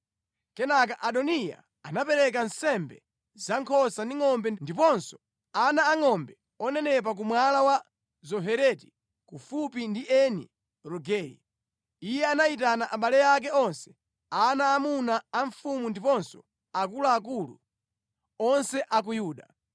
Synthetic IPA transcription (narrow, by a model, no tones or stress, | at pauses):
kɛnak̬aʔaɗɔnija̰ | anapɛɾɛk̬ansɛmbɛ | zaŋkʰɔsandiŋɔmbɛndipɔnsɔ̥ | anaːŋɔmbɛ | ɔnɛnɛp̬ak̬umwalawa | zɔɦɛɾɛti̥ | kufupindiʔɛnḭ | ɾɔɡɛːjḭ | ijɛanaitanaʔaɓalɛjak̬ɛɔnsɛ̥ | anaːmunaːɱfumundipɔnsɔ | ak̬ulaːk̬ulṵ | ɔnsɛʔak̬ujuːɗa̰